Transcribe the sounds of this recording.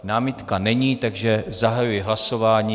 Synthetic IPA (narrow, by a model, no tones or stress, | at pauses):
naːmɪt̪kanɛɲiːt̪aɡʒɛzaɦajujɛɦlasovaːɲiː